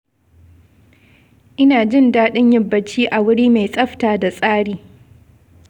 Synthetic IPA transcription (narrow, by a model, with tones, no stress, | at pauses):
ʔɪ˦naː˨d͡ʒɪ˦˨ndaː˦ɗɪ˦ɲjɪ˨bːɐ˨t͡ʃiː˦ʔa˨wʊ˦ɽiː˦ma˨jsʼɐ˦ɸtaː˨da˨sʼaː˦ɽiː˨